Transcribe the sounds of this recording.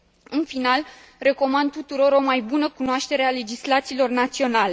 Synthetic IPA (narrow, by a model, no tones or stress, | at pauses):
ɨnfinal | re̞ko̞mand̪̚t̪ut̪uɾo̞ɾo̞majbunəkunoaʃt̪e̞ɾe̞ale̞d͡ʒislat̪siːlo̞rnat̪sio̞nale̞